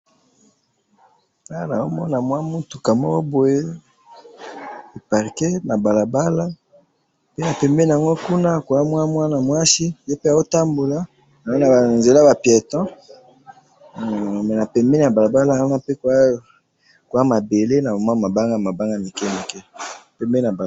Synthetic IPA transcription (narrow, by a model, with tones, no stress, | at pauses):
a˦na˨o˦mɔ˦na˨mwa˦mu˦tu˨ka˨mɔ˦ko˦bo˨je˦ | e˨pa˨ʁkɛ˦na˨ba˨la˨ba˦la˦ | pe˦na˨pɛ˨mbɛ˦ni˨a˨ŋɡo˦ku˦na˦˨ko˨a˦mwa˦mwa˦na˨mwa˦si˦je˦pe˦a˨o˦ta˦mbo˨la˦ | na˨o˦na˨nze˨la˦ba˨pjɛ˨tɔ̃˦˨ | mɛ˨na˨pɛ˨mbɛ˦ni˦˨a˨ba˨la˨ba˦la˦˨˦na˦pe˦k | ko˨a˦ma˨be˨le˦na˨o˨ma˦˨ma˨ba˦ŋɡa˦˨ma˨ba˦ŋɡa˦mi˨kɛ˦me˨kɛ˦˨pɛ˦mbɛ˦na˨b